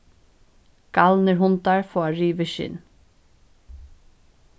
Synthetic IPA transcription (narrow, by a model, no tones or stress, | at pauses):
ɡ̥ɑlnəɹhʊnt̪ɑɹfoːɑɹiːʋəʃɪ̰n